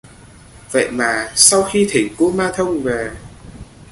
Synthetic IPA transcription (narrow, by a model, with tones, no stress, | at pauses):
və̰˧˨jmaː˨˩sa˧wxi˧t̪ʰï˨˩ŋ̟ku˧˦maː˧t̪ʰə˧wŋ͡mvɛː˨˩